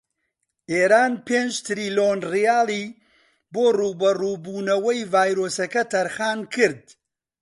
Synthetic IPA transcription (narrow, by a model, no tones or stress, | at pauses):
ʔeːɾaːnpeːnd͡ʒt̪ɾiːloːnrijaːlˠiː | boːruːbɐruːbuːnɐwɐjvaːjɾoːsɐkɐt̪ʰɐɾxaːnkʰɨɾd̪̚